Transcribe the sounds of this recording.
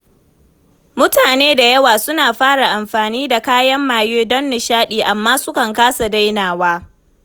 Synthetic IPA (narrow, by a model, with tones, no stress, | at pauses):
mʊ˦taː˨neː˦da˨jɐ˦waː˨sʊ˦naː˨ɸaː˦ɽa˨ʔa˨mɸaː˨niː˦da˨kaː˦jɐ˦mːaː˨jeː˦dɔ˦nːɪ˨ʃaː˦ɗiː˨ʔa˨mːaː˦sʊ˦kɐ˨ŋkaː˦sa˨da˦jnaː˨waː˦